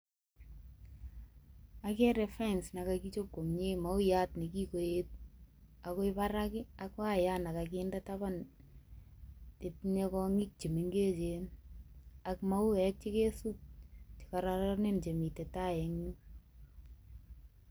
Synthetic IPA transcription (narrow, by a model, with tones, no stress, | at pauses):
a˦ke˦ɾɛ˨fa˦ɪnsna˨ka˨ki˦t͡ʃo˦kːo˨mɲe˦ma˨˦ʊ˦ja˦tni˨ki˦ko˨je˦t̚a˨ko˦ɪ˦pa˦ɾakɪ˦a˦kwa˦ja˦na˨ka˨kɪnda˦taba˦n | te˨tne˦kɔ˦ŋɪ˦k̚t͡ʃi˨mi˨ŋɡe˦t͡ʃe˨n | a˨kma˦ʊ˦ɛk̚t͡ʃe˦ke˦su˦k̚t͡ʃi̥˨ka˨ɾa˦ɾɔ˦ne˦nt͡ʃe˨mi˨te˨ta˦jɛ˨ŋɲi˦